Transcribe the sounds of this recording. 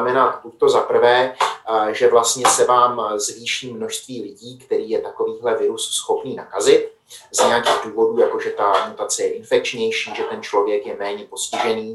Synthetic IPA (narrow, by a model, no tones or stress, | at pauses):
mɛnat̪buct̪o̞zapr̩vɛː | ʒɛvlast̪ɲɛsɛvaːmzviːʃiːmːno̞ʃst̪viːlɪɟiːkt̪ɛɾiːjɛt̪ako̞viːɦlɛvɪɾusːxo̞pniːnakazɪt̪̚ | zɲɛjakiːɣduːvo̞duːjako̞ʒɛt̪amut̪at͡sɛjɛʔɪnfɛk̚t͡ʃɲɛjʃiːʒɛt̪ɛnt͡ʃlo̞vjɛkjɛmɛːɲɛpo̞scɪʒɛniː